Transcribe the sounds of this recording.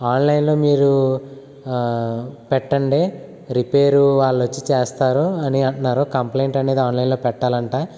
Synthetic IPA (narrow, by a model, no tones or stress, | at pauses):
aːnlɐjnlo̞ːmiːɾu | pɛʈːɐɳɖeː | ɾipe̞ːɾuʋaːɭːɐʋɐt͡ʃːit͡ʃeːst̪aːɾuɐniɐɳʈnːaːɾoːkɐmpleːɳʈɐne̞ːd̪iaːnlɐjnlo̞ːpɛʈːaːlɐɳʈaː